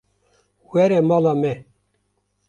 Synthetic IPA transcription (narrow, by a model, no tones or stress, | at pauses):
wɛɾɛmɑːlɑmɛ